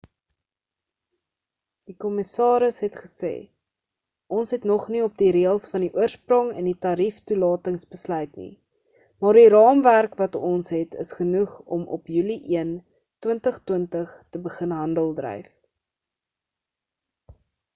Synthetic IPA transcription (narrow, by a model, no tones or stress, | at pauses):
d̥ikɔməsɑːɾəsɦɛtχə̥sḛː | ʔɔnsɦɛtnɔχniɔp̚diɾiəlˠsfɐndiʔuərsprɔŋɛ̰nditɑɾiftulɑːtəŋsbəslœɥtnḭ | mɑːrdiɾɑːmværkvɐtɔnsɦɛtə̰sχənuχɔ̰mʔɔ̰pjyliʔiən | twəntəχtwəntəχtəbəχənɦɐndəlˠdrœ̰jf